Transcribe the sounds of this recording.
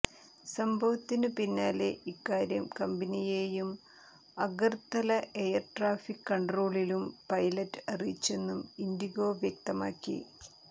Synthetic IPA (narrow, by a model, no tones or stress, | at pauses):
sɐmbʱɐʋɐt̪ːinɨpinːaːleikːaːɾjɐmkɐmbɐnijeːjum | ɐɣɐrt̪ɐlɐejɐrʈraːfikːɐɳɖroːɭilumpɐjlɐtːɨɐrijit͡ɕːe̞nːumindiɣo̞ːʋjɐk̚t̪ɐma̰ːkːḭ